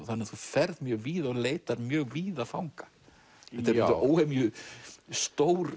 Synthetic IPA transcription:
θanːɪθufɛɾðmjœːɣviːðaɔɣleːjt̪aɾmjœːɣviːðafawŋkḁ | ɛt̪ɛɾʔoːwhemjʏst̪owɾ

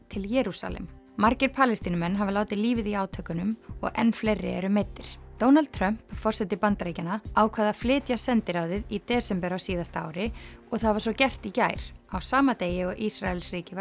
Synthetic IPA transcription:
t̪ʰɪljɛːɾusa̰lɛ̰m | maɾcɪɾpʰaːlɛst̪iːnʏmɛnɦavɪlaːwt̪ɪliːvɪðiaːwt̪ʰœːkʏnʏmɔ̰ɣɛ̰nːflejrːɪ̰ɛ̰ɾʏmeːt̪ːɪɾ̥t̪oːwnald̪̚t̪ʰɾœm̥pfɔr̥sɛt̪ːɪpant̪ɾeːjcanaaːwkʰvɛːðaflɪːt̪jasɛnt̪ɪɾaːwðɪðit̪ɛːsɛmpɛɾawsiːðast̪aa̰ːwɾɪɔɣθaðvaɾ̥sɔcɛr̥t̪icaːjɾ̥awsaːmat̪eːjɪɔɣʔisɾaɛlsriːcɪva

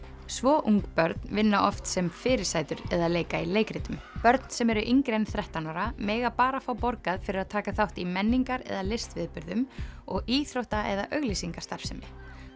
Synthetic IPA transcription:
svɔːʔuŋkpœɾt̪nvɪnːaʔɔft̪sɛmfɪːɾɪ̥saːjt̪ʏɾɛðaleːjkaileːjkɾɪt̪ʏmpœɾt̪n̥sɛmɛɾʏʔiŋkɾejnθɾɛht̪anɔɾamɛːɣapaːɾafawpɔɾkaðfɪɾɪɾaðt̪ʰaːkaθawht̪imɛnːiŋkaɾɛ̰ðalɪst̪vɪðpʏɾðʏmɔɣiːθɾowht̪aɛðaʔœɣlisiŋkḁst̪aɾ̥fsɛmɪ̰

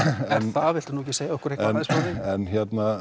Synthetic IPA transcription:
ɛnθavɪl̥t̪ʏnuhɛcːɪ̥seːjaɔhkʏɾ̥ejk̪aaðɪspaːðɪɛnçɛt̪na

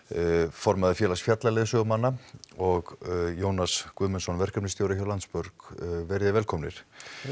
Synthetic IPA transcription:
fɔɾmaðɪfjɛːlasfjat̪lalɛːðɪsœːɣmanːaɔɣjoːwnaskvʏːmʏnsɔnvɛr̥kœpnɪst̪jowɾɪçœɾlant̪spʏɾkvɛɾɪðɪvɛlkʰɔmnɪ̰ɾ̥

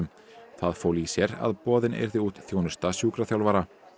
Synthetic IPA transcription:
ʏm | θaðfoːwlisjɛɾa̰ðpɔːðɪnḛjɾðɪuːt̪θjownʏ̥st̪asjuːkɾaθjawlvaɾa

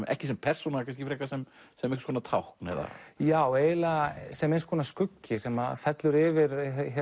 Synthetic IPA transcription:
ɛ̰hcɪsɛmpʰɛr̥sunakʰans̬cɪfɾɛkasɛmsɛmehkskʰɔːnat̪ʰawhknɛ̰ða̰jaweːjlasɛmɛnskʰɔːnaskʏcːɪsɛmaðfɛt̪lʏɾɪvɪɾ

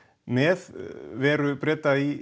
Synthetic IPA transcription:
mɛðvɛːɾʏpɾɛt̪ːai

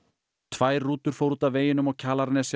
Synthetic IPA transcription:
t̪ʰvaːjɾruːt̪ʏɾ̥fowɾuːt̪aveːjɪnʏmɔɣcʰaːlaɾnɛs

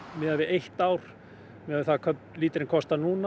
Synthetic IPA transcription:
mɪðavɪejht̪aːwɾ̥ | mɪðavɪθaðkʰœpnliːt̪ɪɾɪnkʰɔst̪anuːna

